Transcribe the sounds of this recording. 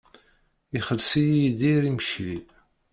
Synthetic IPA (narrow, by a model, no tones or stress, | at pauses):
iχəlsijijid̪iɾiməçli